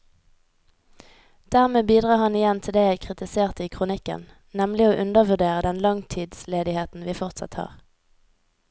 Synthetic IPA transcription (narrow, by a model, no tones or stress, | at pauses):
d̪̥æʁmeːbiːd̪ʁɑːhɑnɪjɛnt̪ʰɪld̪eːjæɪkʰʁɪt̪ɪseːʁt̪iːkʰʁʊnɪkə̰n | nɛmlɪoːʔʉnd̪əʁʋʉʁd̪eːʁəd̪ɛnlɑŋt̪ʰiːd̪sleːd̪ɪheːt̪n̩ʋiːfɔʁt̪sɑ̰t̪hɑ̰ːʁ